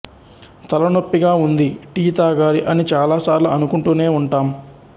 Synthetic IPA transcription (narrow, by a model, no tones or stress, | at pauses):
t̪ɐlɐnopːiɡaːund̪iʈiːt̪aːɡaːɾiʔɐnit͡ʃaːlaːsaːɾluɐnukuɳʈuːne̞ːuɳʈaːm